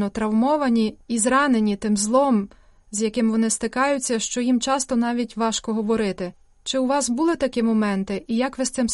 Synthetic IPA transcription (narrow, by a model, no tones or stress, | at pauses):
ɔt̪ɾɐwmɔʋɐnʲiizɾɑne̞nʲit̪ɪmzlˠɔm | zjɐkɪmʋɔnɪst̪ɪkɑjʊt͡sʲːɐʃt͡ʃɔjimt͡ʃɑst̪ɔnɑʋʲitʲʋɑʃkɔɦɔʋɔɾɪt̪ɪ | t͡ʃɪuʋɑsbʊlˠɪt̪ɐkɪmɔmɛnt̪ɪʔijɐkʋɪst̪sɪm